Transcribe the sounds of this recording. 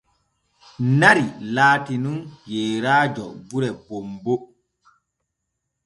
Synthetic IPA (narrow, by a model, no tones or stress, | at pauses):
naɾilaːtinunjɛːɾaːd͡ʒɔ̰buɾɛbombo